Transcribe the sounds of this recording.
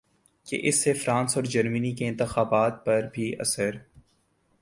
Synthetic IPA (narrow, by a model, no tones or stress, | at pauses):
kḛʔɪsːefɾãːnsɔːɾd͡ʒəɾmənikeɪ̃nt̪əxaːbaːt̪̚pɐɾbʱiʔɐ̰səɾ